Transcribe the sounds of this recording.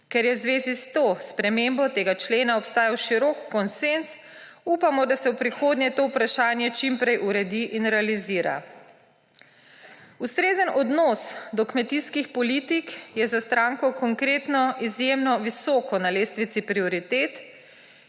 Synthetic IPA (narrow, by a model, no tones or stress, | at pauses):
kɛɾjɛwzʋeːzist̪ospɾɛmembɔt̪eːɡat͡ʃleːnaɔpst̪aːjawʃiɾɔkːɔnsens | upamɔd̪asɛwpɾixoːd̪nɲjɛt̪oːwpɾaʃaːnjɛt͡ʃimpɾɛjʔuɾɛd̪iʔinɾɛaliziːɾa̰ | ust̪ɾeːzənʔɔd̪nɔsd̪ɔkmɛt̪iskixpɔlit̪ikjɛzast̪ɾaŋkɔkɔŋkɾeːt̪nɔizjemnɔʋisɔːkɔnaleːst̪ʋit̪sipɾioɾit̪eːt̪